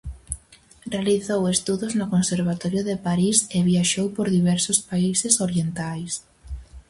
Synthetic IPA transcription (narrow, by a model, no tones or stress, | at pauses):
realiθowest̪uðʊznʊkonseɾβ̞at̪ɔɾjʊðepaɾiseβjaʃowpoɾðiβɛɾsʊspaisesoɾjent̪ajs